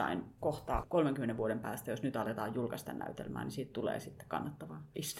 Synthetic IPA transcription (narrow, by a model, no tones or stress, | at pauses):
ɑ̰inkoht̪ɑ̰ːkolmeŋkymːeneʋuodempæːst̪æjosnyt̪ɑlet̪ɑːjjulkɑst̪ɑnnæ̰yt̪ḛlmæ̰ːnisiːt̪t̪ulḛːsit̪ːe̥kɑ̰nːɑt̪ːɑʋɑist̪u̥